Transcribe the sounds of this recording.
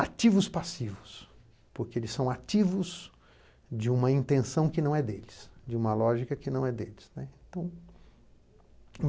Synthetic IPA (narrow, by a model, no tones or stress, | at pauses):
at͡ʃivʊspasivʊs | poɾkeelɪsːɐ̃w̃at͡ʃivʊz | d͡ʒɪũmɐĩnt̪ẽsɐ̃w̃kɪnɐ̃w̃ɛd̪elɪsd͡ʒɪũmɐlɔʒikɐkɪnɐ̃w̃ɛd̪elɪsnɛẽnt̪ɐ̃w̃